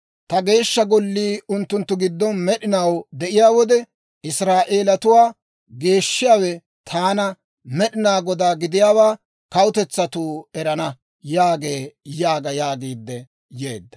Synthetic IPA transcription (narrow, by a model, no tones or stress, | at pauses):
t̪ɐɡe̞ːʃːɐɡɔlːiːʊnt̪ːʊnt̪ːʊɡɪd̪ːɔnmɛɗɪnɐwd̪ɛʔɪjaːwɔd̪ɛ | ɪsɾaːʔeːlɐt̪ʊwaː | ɡe̞ːʃːɪjaːwɛ | t̪ʰaːnɐ | mɛɗɪnaːɡɔd̪aːɡɪd̪ɪjaːwaː | kɐwʊt̪ɛt͡sːɐt̪uːɛɾɐnɐ | jaːɡe̞ːjaːɡɐjaːɡiːd̪ːɛ | jḛːd̪ːɐ̥